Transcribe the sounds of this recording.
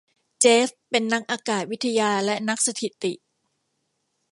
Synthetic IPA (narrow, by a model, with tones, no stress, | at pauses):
t͡ɕeː˦˥fpe˧nːa˦˥k̚ʔaː˧kaː˨˩t̪̚wi˦˥t̪ʰːa˧jaː˧lɛ˦˥na˦˥k̚sa˧t̪ʰi˨˩t̪i˨˩ʔ